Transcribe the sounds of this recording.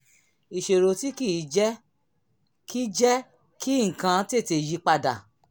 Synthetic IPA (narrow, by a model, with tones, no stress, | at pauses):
i˨ʃe˨ɾo˧ti˦ki˦˨˦d͡ʒɛ˦ | ki˦d͡ʒɛ˦ | ki˦ŋ̩˨kã˧˦te˦˨te˧ji˧˦k͡pa˧da̰˨